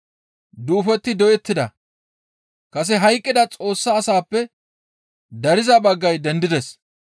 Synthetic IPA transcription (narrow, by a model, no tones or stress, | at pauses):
d̪uːfɛt̪ːɪd̪ɔjɛt̪ːɪd̪ɐ | kɐs̬ɛɦɐjkʼːɪd̪ɐt͡sʼo̞ːsːɐːsaːpːɛ | d̪ɐɾɪzɐbɐɡːɐjd̪ɛnd̪ɪd̪ɛs